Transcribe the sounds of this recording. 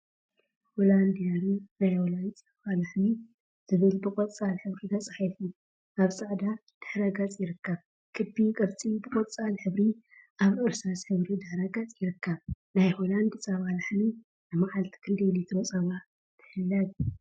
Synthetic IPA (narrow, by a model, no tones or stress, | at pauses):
holand̪jaɾinajholajt͡sʼɐβalaħmi | z̥ɨβɨlbɨkʼɔt͡sʼalħɨβɾid̪ʰɐt͡sʼħafi | ʔaβsʼaʕd̪a | d̪̥ɨ̥ħɾaɡat͡sʼjɪɾɨkːɐβ | kʰɨbːikʼɐβt͡sʼibɨkʼot͡sʼalħɨβɾi | ʔaβʔɨɾsɾasħɨβɾid̪ɨħɾaɡɐt͡sʼjɪɾɨkʰːɐβ | najholand̪t͡sʼɐβalaħni | nɨmaʕalt̪ʰi̥kʰɨnd̪elit̪ʰɾot͡sʼɐβa | t̪ʰɨ̥ħɨlːɐd